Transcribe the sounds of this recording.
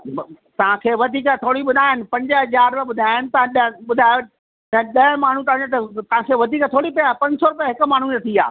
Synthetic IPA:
t̪ɐʋ̤ãkʰeːʋɐd̪ʱiːkət̪ʰoːɽiɓʊd̪ʱaːɪnɪ̆pɐ̃ɲd͡ʑəɦɐzaːɾʋɐɓʊd̪ʱaːɪnɪ̆t̪ɐʋ̤ãɗɐɓʊd̪ʱaːjo | nɐɗɐɦmaːɳ̤ũt̪ɐʋãd͡ʑet̪ɐt̪ɐɦãkʰeːʋɐd̪ʱiːkət̪ʰoːɽipɐjapɐ̃ɲd͡ʑsɔɾʊpijaɦɪkʊ̆maːɳ̤ũnɐt̪ʰia̰ː

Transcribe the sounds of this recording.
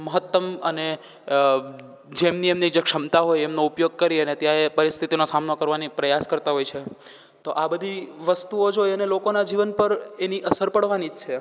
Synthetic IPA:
məɦət̪ːəməne | d͡ʒemniemnid͡ʒekʃəmt̪aɦojemnoupjoɡ̚kəɾiənet̪jaepəɾist̪ʰit̪inosamnokəɾʋanipɾəjaskəɾt̪aɦojt͡ʃʰe | t̪oʔabəd̪ʱiʋəst̪uod͡ʒojənelokonad͡ʒiʋənpəɾeniʔəsəɾpəɽʋanid͡ʒt͡ʃʰe

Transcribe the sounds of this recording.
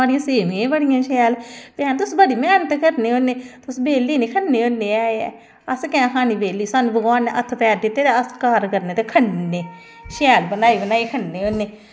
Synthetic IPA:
aːɽɪjãːseːmẽbəɽɪjãːʃɛːlpɛ̃ːnt̪ʊsbəɽiːmɛːnət̪kəɾneːoneːt̪ʊsbeːlːiːneːkʰənːeːoːnːeːaːeɛ̰ | əskɛ̃kʰaːniːbeːlːiːsanuːbəɡwaːnːeʔət̪ʰːpɛːɾd̪ɪt̪ːeːɾeəskaːɾkəɾneːt̪eːkʰənneː | ʃɛːlbənaːiːbənaːiːkʰənːeːoːnːeː

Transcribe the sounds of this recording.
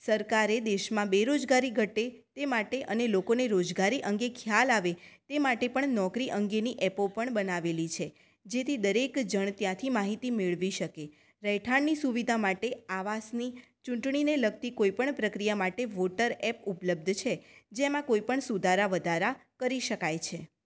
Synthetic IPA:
səɾkaɾed̪eʃmãbeɾod͡ʒɡaɾiɡʱəʈet̪emaʈeʔənelokoneɾod͡ʒɡaɾiʔəŋɡekʰjalaʋet̪emaʈepəɳnɔkɾiʔəŋɡeniʔɛpopəɳbənaʋelit͡ʃʰe | d͡ʒet̪ʰid̪əɾekd͡ʒəɳ̃t̪jãt̪ʰimaɦit̪imeɭʋiʃəke | ɾəɦjʈʰaɳːisuʋid̪ʱamaʈeaʋasni | t͡ʃũɳʈɳineləɡ̚t̪ikoipəɳpɾəkɾijamaʈeʋoʈəɾɛpupləb̚d̪ʱt͡ʃʰed͡ʒemãkoipəɳsud̪ʱaɾaʋəd̪ʱaɾakəɾiʃəkajt͡ʃʰe

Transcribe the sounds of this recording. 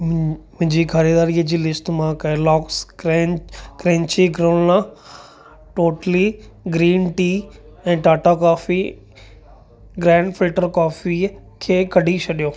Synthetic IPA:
mʊ̃ɦɪ̃ɲd͡ʑikʰɐɾiːd̪aːɾiəd͡ʑiːlɪsʈmãkɐelɔːksɾekɾẽːɲt͡ɕiɡɾõːnlã | ʈoːʈəliɡɾiːnʈiː | ɛ̃ːʈaːʈakaːfi | ɡɾɛ̃ːɳɖfɪlʈəɾkaːfikʰeːkɐɖʱit͡ɕʰɐɗijoː

